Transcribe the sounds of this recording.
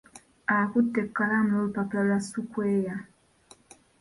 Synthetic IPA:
akutːɛkːaɾamolpapalasukwɛja

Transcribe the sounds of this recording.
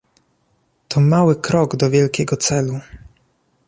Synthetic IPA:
t̪ʰɔmawɘkɾɔɡd̪ɔvʲjɛlkʲɛɡɔt̪sɛlu

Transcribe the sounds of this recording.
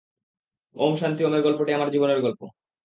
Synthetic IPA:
omʃant̪iomeɾɡɔlpoʈiamaɾd͡ʑiboneɾɡɔlpo

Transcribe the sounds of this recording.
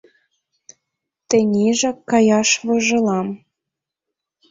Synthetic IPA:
t̪ɘ̆nʲiʒɑkːɑjɑʃβɤʒɤ̆lˠɑm

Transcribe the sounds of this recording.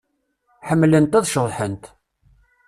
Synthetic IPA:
ħəmːlənt̪æðʃəðˤħənt̪

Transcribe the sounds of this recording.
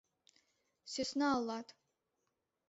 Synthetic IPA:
sesnaaːlːatʰʼ

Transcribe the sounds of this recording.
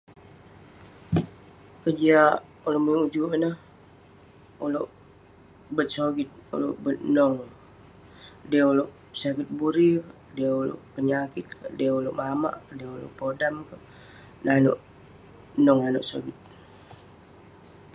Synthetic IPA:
kəd͡ʒia | uloʔmiud͡ʒunəh | uloʔ | bət̪̚soɡit̪̚ṵlo̰ʔbət̪̚nɔŋ | diuloʔ | sakɪt̪̚buɾi | diulo̰ʔpəɲakɪt̪̚kədiəuloʔmama̰ʔdiulo̰ʔpodamkə | nano̰ʔ | nɔŋano̰ʔso̰ɡit̪̚

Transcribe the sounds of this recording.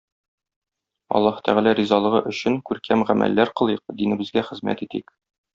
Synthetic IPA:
ɒ̰lˠːɑhɤ̥̆t̪æʁælæɾizɑlˠɤ̆ʁɤʔɵ̆ɕɘŋkʉɾkæmʁæmʔæ̰lːæɾqɤ̆lˠɤjq̚d̪inɘ̆bɘ̆zɡæχɘ̆zmæ̰t̪it̪ḭk

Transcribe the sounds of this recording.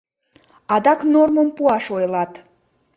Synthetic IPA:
ɑd̪ɑknorməmpuɑʃojlˠɑt̪

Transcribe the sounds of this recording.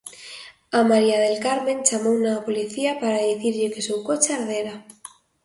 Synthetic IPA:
amaɾiað̞elkaɾmẽnt͡ʃamownapoliθiapaɾaðiθiɾʎekesewkot͡ʃeaɾðeɾa

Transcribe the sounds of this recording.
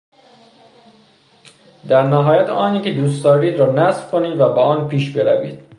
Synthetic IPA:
d̪æɾnæɦɒːjæt̪ɒːniːkʲed̪uːst̪ɒːɾiːd̪ɾɒːnæzfkʰoniːd̪væbeɒːnpʰiːʃbe̞ɾævḭːd̪̥

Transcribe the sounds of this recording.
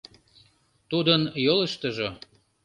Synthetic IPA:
t̪ud̪ənjoləʃt̪əʒo

